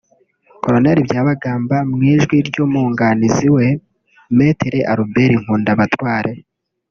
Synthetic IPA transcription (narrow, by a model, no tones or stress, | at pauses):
ko̞ɾo̞neɾibɟaːβaɡaːmbamŋiːʒɡwiɾɟomuːŋɡaniziwe̞ | meːteɾeʔaɾubeɾiŋ̥uːndaβatwaːɾe̞